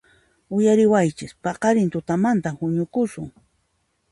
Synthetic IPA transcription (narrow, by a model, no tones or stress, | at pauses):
ʊjaɾɪwajt͡ʃɪspɑqɑɾɪnt̪ʊt̪amant̪ahʊɲʊkʊsʊŋ